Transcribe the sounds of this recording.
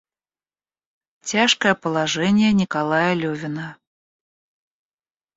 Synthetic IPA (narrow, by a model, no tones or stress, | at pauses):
tʲaʂkəjəpəlˠɐʐɛnʲɪjənʲɪkalˠajəlʲɵvʲɪnə